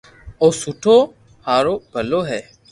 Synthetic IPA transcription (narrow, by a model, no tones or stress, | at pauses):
oːsuʈʰoː | haːɾoːbʱəloːɦɛː